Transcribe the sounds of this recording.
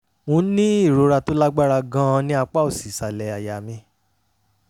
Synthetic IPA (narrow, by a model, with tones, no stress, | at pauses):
wũ˧˦nĩ˦i˦˨ɾo˨˦ɾa˧to˦la˦ɡ͡ba˦˨ɾa˧ɡã˦˧nĩ˦a˧k͡pa˦o˦˨si˨sa˨lɛ˨a˨ja˨mĩ˧